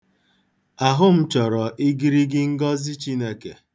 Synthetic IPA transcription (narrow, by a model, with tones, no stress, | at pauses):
a˨ɦʊ˦m̩˦t͡ʃɔ˨ɾɔ˨ʔi˦ɡi˦ɾi˦ɡɪ˦ŋ̩˦ɡɔ˦zi˦t͡ʃi˦ne˦ke˨